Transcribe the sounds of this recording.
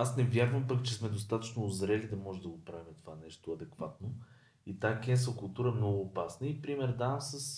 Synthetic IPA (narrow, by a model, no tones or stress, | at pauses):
asnɛvʲjaɾvəmpɐkt͡ʃɛsmɛd̪os̬t̪at̪ə̥t͡ʃnoːzɾɛlid̪ɐmɔʒɛd̪ɐɡopɾavimɛt̪ovanɛʃt̪oɐd̪ɛkvat̪no | it̪akʲɛnsəkʊlˠt̪uɾəɛmnɔɡʊːpasnəipɾimɛɾd̪avəmsəs